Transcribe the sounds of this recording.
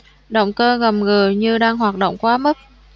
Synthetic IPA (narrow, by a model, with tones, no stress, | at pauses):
ɗo̰˧˨wŋ͡mkəː˧ɣə˨˩mŋɨ˨˩əɲɨ˧ɗaː˧ŋɦwaː˨˩t̚ɗo̰˧˨wŋ͡mkwaː˨˦mə˦˥t̚